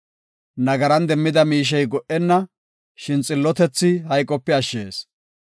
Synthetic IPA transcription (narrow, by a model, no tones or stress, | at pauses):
nɐɡɐɾɐnd̪ɛmːɪd̪ɐmiːʃ̬ɛjɡɔʔɛnːɐ | ʃɪnt͡sʼɪlːɔt̪ɛt͡sːɪhɐjkʼːɔpːɛɐʃːḛːs